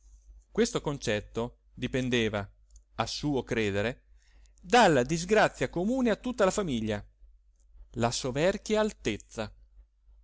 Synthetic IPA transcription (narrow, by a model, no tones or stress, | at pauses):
kwest̪okont͡ʃɛt̪ːo | d̪ipend̪eːva | asuːokɾeːd̪eɾe | d̪alːad̪izɡɾat̪sːjakomuːneat̪ːut̪ːalafamiʎːa | lasovɛrkjaalt̪et̪sːa